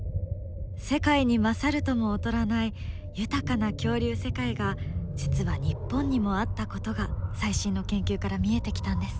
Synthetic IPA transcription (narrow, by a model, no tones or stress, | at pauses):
se̞kaiɲ̟imasaɾɯ̟t̪o̞mo̞ːt̪o̞ɾanai | jɯ̟t̪akanakʲo̞ːɾʲɨːse̞kaiɡad͡ʑit͡sɨβaɲ̟ipːõ̞ɲ̟ːimo̞at̪ːako̞t̪o̞ɡasaiɕĩnːo̞kẽ̞ŋkʲɨːkaɾamʲie̞t̪e̞kʲi̥t̪ãnd̪e̞sɨ̥